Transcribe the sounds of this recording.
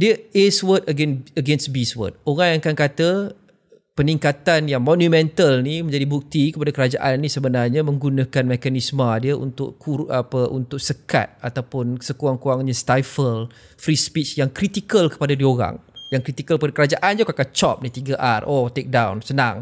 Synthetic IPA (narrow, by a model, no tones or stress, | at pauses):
diəeswət̪̚əɡɛnəɡɛnsbiswə̰t̪̚oɣajaŋkankat̪ə | pəniŋkat̪anjaŋmɔnjumɛ̃nt̪əlnimə̃ɲd͡ʒadibuk̚t̪ikəpadakəɾad͡ʒaʔannĩsəbənarɲamə̃ŋɡunakanmɛkanismədiəʔṵnt̪ʊ̰ʔkuʔapəʔṵnt̪ʊk̚səka̰t̪̚at̪awpʊnsəkuaŋkuaŋɲəst̪ajfəl | fɾispit͡ʃjaŋkɾit̪ikəlkə̥padadioɾa̰ŋjaŋkɾit̪ikəlkəpadakəɾad͡ʒaʔand͡ʒokakat͡ʃɔ̰p̚nit̪iɡaʔarʔot̪ek̚dawnsənã̰ŋ